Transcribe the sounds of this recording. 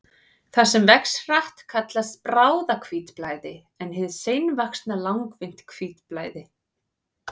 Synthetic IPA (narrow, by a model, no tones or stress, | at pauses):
θasɛmvɛksraht̪kʰat̪last̪pɾaːwðakʰviːt̪plaːjðɪ | ɛnhɪðsejnvakst̪nalawŋkvɪn̥t̪kʰviːt̪plaːjðɪ